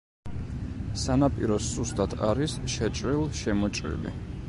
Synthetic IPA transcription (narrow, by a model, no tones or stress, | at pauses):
sanapʼḭɾɔsust̪ʼat̪ʰa̰ɾisʃɛt͡ʃʼɾilˠʃɛmɔt͡ʃʼɾḭlḭ